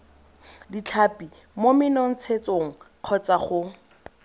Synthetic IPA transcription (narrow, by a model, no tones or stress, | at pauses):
dit͡ɬʰapi | momɪnɔn̩t͡sʰet͡soŋ̩ | q͡χʰɔt͡saχʊ